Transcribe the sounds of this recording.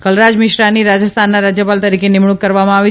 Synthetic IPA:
kəlɾad͡ʒmɪʃɾaniɾad͡ʒəst̪ʰanːaɾad͡ʒjəpalt̪əɾikenɪmɳ̃ukːəɾʋamãaʋi

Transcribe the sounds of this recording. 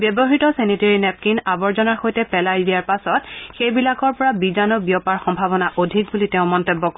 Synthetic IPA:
bjɔbɔɦitɔseniteɹinɛp̚kinabɔɹzɔnaɹxojtɛpɛlajdijaɹpasɔtxejbilakɔɹpɔɹabizanɔbiɔpaɹxɔmbʱaβɔnaʔodʱik̚bulitɛʊ̃mɔntebːɔk

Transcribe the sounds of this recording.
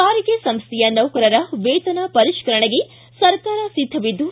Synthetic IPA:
kaːɾiɡesɐmst̪ɛjɐnɐwkɐɾɐɾɐʋeːt̪ɐnɐpɐɾiʃkɐɾɐɳeɡe | sɐɾkaːɾɐsid̪ʱːɐʋid̪ːu

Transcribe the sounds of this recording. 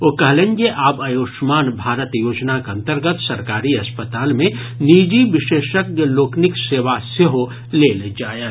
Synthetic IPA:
okɐɦlẽŋɡeʔaːbəjoːʃmaːnbʱaːɾət̪joːd͡ʒnakɐ̃nt̪əɾɡət̪sɐɾkaːɾiɐspət̪aːlmẽ | niːd͡ʒiʋɪʃeːʃəkəloːknɪkseːʋaseɦo | leːld͡ʒaːje

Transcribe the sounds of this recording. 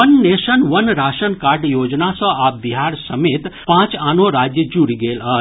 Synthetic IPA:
ənːeːʃənʋɐnɾaːʃənkaːɾɖjoːd͡ʒnasə̃aːp̚biɦaːɾsəmeːt̪pãːt͡ʃaːnoɾaːd͡ʒjəd͡ʒuɽiɡeːlə

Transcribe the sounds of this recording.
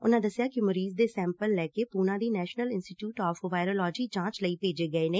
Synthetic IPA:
ʊnãːd̪əsjaːkɪməɾiːzd̪eːsɛ̃ːmpəlːɛːkeːpuːnãːd̪iːnɛːʃnəlɪnsʈiːʈjuːʈɔːfʋaːɪɾoːlɔːd͡ʒiːt͡ʃãːt͡ʃləiːpeːd͡ʒeːɡəeːneː

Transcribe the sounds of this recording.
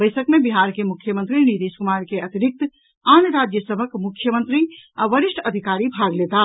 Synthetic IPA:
bəɪsəkmebiɦaɾkemukʰjəmə̃nt̪ɾinit̪eskumaɾkeət̪iɾik̚t̪ | anɾad͡ʒjəsəbʱəkmukʰːjəmənt̪ɾiaʋəɾiʃʈʰəd̪ʱikaɾibʱaɡlet̪a

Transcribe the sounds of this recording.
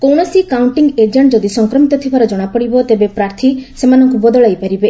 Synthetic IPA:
kɔwɽ̃ɔsikawɳʈiŋɡed͡ʒeɳʈd͡ʒɔd̪isɔŋkɾɔmit̪ɔt̪ʰibʱaɾɔd͡ʒɔɽ̃apɔɽibɔt̪ebepɾaɾt̪ʰisemanɔŋkubɔd̪ɔɭajpaɾibe

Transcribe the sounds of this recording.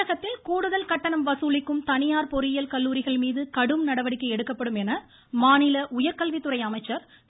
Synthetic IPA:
ɐɣɐt̪ːɪlkuːɽɯðɐlkɐʈːɐɳɐmʋɐsuːlɪkːɯmt̪ɐnɪjaːɾpɔɾɪjɐlkɐlːuːɾɪɣɐɭmiːðɯkɐɽɯmnɐɽɐʋɐɽɪkːɐɪɛɽɯkːɐpːɐɽɯmɛnɐ | maːnɪlɐʔʊjɐɾkɐlʋit̪ːɯɾɐɪɐmɐɪt͡ʃːɐɾ

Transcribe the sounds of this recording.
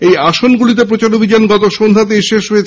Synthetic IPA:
ejaʃonɡulit̪̬ep̬ɾot͡ɕaɾobʱid͡ʑanɡɔt̪oʃond̪ʱat̪̬eʃeʃɦoje

